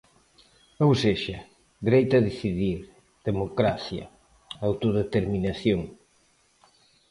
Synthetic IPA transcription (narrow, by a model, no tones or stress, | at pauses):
owseʃɐ | d̪iɾejt̪ɐðeθiðiɾ | ð̥emokɾaθjɐ̰ | awt̪oðet̪eɾminaθjoŋ